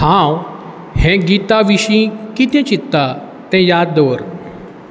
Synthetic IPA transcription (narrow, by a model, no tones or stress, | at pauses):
hãw | hɛ̃ɡit̪aʋiɕĩkit̪ɛ̃t͡ɕit̪ːa | t̪ɛ̃jad̪d̪əʋəɾ